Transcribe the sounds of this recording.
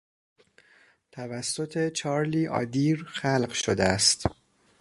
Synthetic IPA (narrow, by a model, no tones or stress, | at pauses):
t̪ʰævæsːo̞t̪ʰe̞t͡ʃʰɒːɾliːʔɒ̰ːd̪iːɾxælɢʃod̪eæst̪